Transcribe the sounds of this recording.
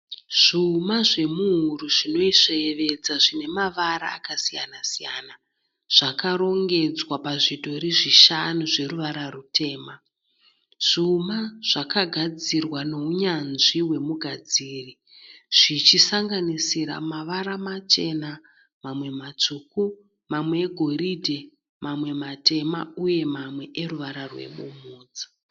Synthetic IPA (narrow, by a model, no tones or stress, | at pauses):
ʐ̥umaʐe̞muɦuruʐino̞iʂeeʋe̞d͡zaʐine̞maʋaɾa̰ːkasija̰nasija̰na | ʐ̥akaɾo̞ŋɡe̞d͡zwapaʐidʱo̞ɾiʐiʃanuʐe̞ruʋaɾarutʰe̞ːma | ʐ̥umaʐ̥akaɡʱad͡zirwano̞uɲanʐiwe̞muɡʱad͡ziːri | ʐ̥it͡ʃisaŋɡanisiɾa̰maʋaɾamat͡ʃe̞na | mamwe̞mat͡suku | mamwe̞ːɡʱo̞ridʱe | mamwe̞mate̞ma̰uje̞mamwe̞ʔeruʋaɾarwe̞̰ɓumuːd͡zi̥